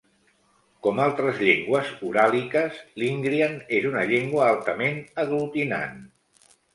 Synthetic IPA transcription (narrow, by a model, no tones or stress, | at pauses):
kɔmalˠt̪ɾəzʎeŋɡwəzuɾalikəzliŋɡɾianezunəʎeŋɡwəalˠt̪əmenəɣlut̪ina̰n